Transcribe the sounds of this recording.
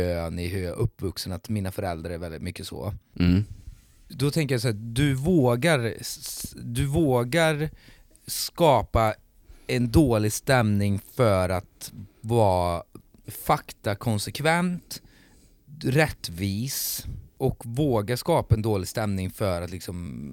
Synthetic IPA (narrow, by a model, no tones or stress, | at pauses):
øːnɪhʉɾjaʔɵpːvɵksənat̪miːnafœɾɛld̪ɾaɾɛɾvɛld̪ɪt̪mʏkːəsɔ̰ | d̪ɔt̪ʰɛŋkəjas̬ɔæd̪ɵvoːɡaɾ | d̪ɵvoːɡaɾ | skɑːpa | ɛnd̪oːlɪɡst̪ɛmnɪŋfœɾat̪vɑː | fakt̪akʰɔnsɛkʰvɛnt̪ | ɾɛt̪ːviːsʔɔkvoːɡaʂkɑːpaɛnd̪oːlɪɡst̪ɛmnɪŋfœɾat̪lɪksɔm